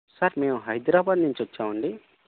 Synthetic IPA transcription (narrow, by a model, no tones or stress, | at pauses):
sɐɾme̞ːmuɦɐjd̪ɾaːbaːd̪nuɲt͡ʃiʋɐt͡ʃːaːmɐɳɖi